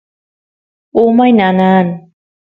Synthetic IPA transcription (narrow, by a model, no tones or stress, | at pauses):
ʔomajnanaːn